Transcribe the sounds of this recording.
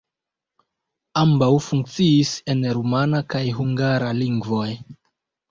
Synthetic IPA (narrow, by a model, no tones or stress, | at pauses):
ambawfuŋk̚t͡siise̞nɾumanakajɦuŋɡaɾaliŋɡvo̞j